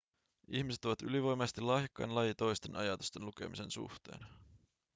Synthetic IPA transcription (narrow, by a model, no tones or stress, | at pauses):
içmiset̪ːoʋɑt̪y̰liʋo̞jmest̪ilɑːjɑkːɑ̰jnlɑjit̪o̞jst̪e̞nʔɑjɑt̪u̥st̪e̞nluke̞mise̞nsṵxt̪e̞̰ːn